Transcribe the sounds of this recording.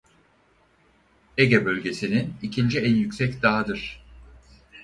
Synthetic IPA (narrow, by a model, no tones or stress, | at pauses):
eɟebø̞lʲɟe̞sininicʰind͡ʒiɛnjycʲsɛcd̪aɦad̪ɯɾ̥